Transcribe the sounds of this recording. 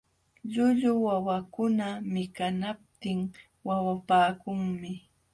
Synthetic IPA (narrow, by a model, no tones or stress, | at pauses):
ʎʊʎʊwawakʊnamɪkanap̚t̪ɪŋ | wawapaːkʊŋmɪ